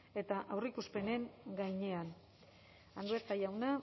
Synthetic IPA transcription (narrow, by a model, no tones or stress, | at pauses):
e̞t̪aʔawrikuspe̞ne̞ŋɡajɲe̞an | and̪ueɾt̪ajawna